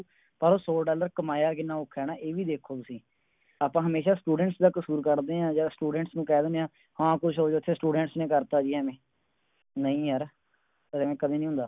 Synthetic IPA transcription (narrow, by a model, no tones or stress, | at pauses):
pəɾoːsoːɖaːləɾkəmaːjaːk̬ɪnːãːʊkʰːɛːnaːʔeːʋiːd̪eːkʰoːt̪ʊsĩː | aːpãːɦəmeːʃaːsʈuːɖəɳʈsd̪aːkəsuːɾkəɾd̪eːãːd͡ʒaːsʈuːɖəɳʈsnũːkɛːd̪ɪneãː | hãːkʊʃʰɦoːd͡ʒoːt̪ʰːeːsʈuːɖə̃ɳʈsnẽːkəɾt̪aːd͡ʒiːɛːmẽː | nəĩːɦəɾ | əemẽːkəd̪ẽːnĩːʊ̃nd̪aː